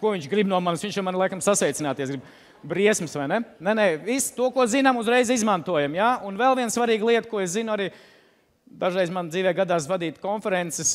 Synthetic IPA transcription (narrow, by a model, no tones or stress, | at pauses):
kuɔiɲt͡ʃɡɾibnuɔmansʋiɲt͡ʃjamanlˠajkamsasʋɛjt̪sinaːt̪iɛsɡɾib | bɾiɛsmsʋajnɛnɛnɛvist̪uɔkuɔzinamuzɾɛjzizmant̪uɔjamjaːunvɛlˠviɛnsvaɾiːɡlˠiɛt̪kuɔeszinʊaɾiː | d̪aʒɾɛjzmand̪ziːvʋɛːɡad̪aːs̬vad̪iːt̪kɔnfɛɾɛnt̪sɛs